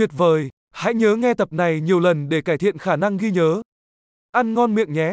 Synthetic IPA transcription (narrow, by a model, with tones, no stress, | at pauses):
twi˨˩ət̚vəː˨˩j | ha̰˧˥jɲəː˨˦ŋɛ˧t̪ə˨˩p̚na˨˩jɲi˨˩əwlə˨˩nɗe˧˩kaː˧˩jt̪ʰḭ˧˨ənxaː˧˩na˧ŋɣi˧ɲəː˨˦ | ʔa˧nŋɔ˧nmḭ˧˨əŋɲɛ˨˦